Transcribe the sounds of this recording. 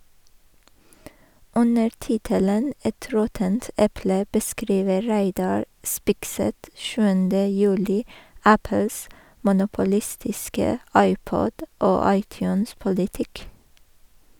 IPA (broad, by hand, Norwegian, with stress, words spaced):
ˈʉnəɾ ˈtɪtələn ˈɛt ˈɾɔtənt ˈɛplə bəˈskɾiːʋə ˈɹæɪˌdɑɹ ˈspɪkˌsɛt ˈʃʉːəndə ˈjʉːlɪ ˈæpəls mʊnʊpʊˈlɪstɪskə ˈɑɪˌpɔd ˈoː ˈɑɪˌtjʉːnspʊlɪˌtɪk